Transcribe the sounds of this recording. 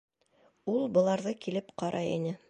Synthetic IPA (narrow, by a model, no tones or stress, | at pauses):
ulˠbɤ̆lˠɑɾðɤkilɘpqɑɾʔɑḭnɘ